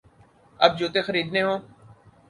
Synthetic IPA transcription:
ɐbd͡ʒoːt̪exəɾiːd̪neːɦõː

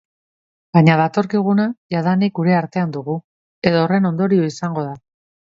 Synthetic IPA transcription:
baɲaðat̪o̞ɾkiɣ̞unajaðanik̚ɡuɾe̞aɾt̪e̞and̪uɣ̞u | e̞ðo̞ːre̞no̞nd̪o̞ɾio̞isaŋɡo̞ð̞a

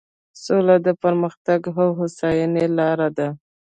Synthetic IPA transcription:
solad̪əpəɾməxt̪aɡɦawɦʊsɑjənelɑɾad̪a

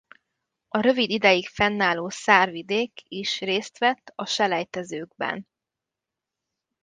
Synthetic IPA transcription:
ɒɾø̞vid̪id̪ɛjikfɛnːaːloːsaːrvid̪eːkiʃreːst̪ʋɛt̪ːɒʃɛlɛjt̪ɛzøːɡbɛ̰n

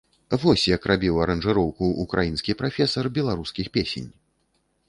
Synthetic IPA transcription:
vɔsʲjakrʔabʲiwɐɾɐnʐɨɾɔwkuːkɾajinskʲipɾafʲɛsɐrbʲɛlˠaɾuskʲixpʲesʲḛnʲ

